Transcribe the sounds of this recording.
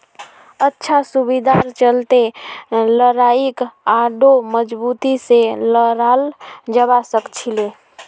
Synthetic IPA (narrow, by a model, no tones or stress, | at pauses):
ətːʃʰasubid̪aɾt͡ʃəlt̪eləɾaikaɖoməd͡ʒbut̪iseləɾald͡ʒəbasəkt͡ʃʰile